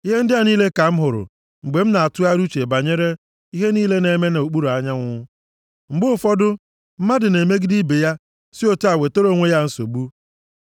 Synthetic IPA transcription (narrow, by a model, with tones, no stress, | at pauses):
i˦ɦe˦n̩˦dɪ˦a˨niː˦le˦ka˨m̩˦ɦʊ˨ɾʊ̰˨ | ŋ͡m̩˨ɡ͡be˨m̩˦na˨a˨tʊ˦a˦ɾu˦t͡ʃe˨ba˨ɲe˦ɾe˦ | i˦ɦe˦niː˦le˦ne˨˦me˦ne˨o˨k͡pu˦ɾo˨a˨ɲa˦ŋʷʊ˦ | ŋ͡m̩˨ɡ͡bʊ˦˨fɔ˦dʊ˦ | m̩˦ma˦dɪ˨ne˨me˦ɡɪ˦di˦be˨ja˦ | sɪ˦o˦ta˨we˨to˦ɾo˦˨ŋʷe˦ja˦n̩˦so̰˨bu˦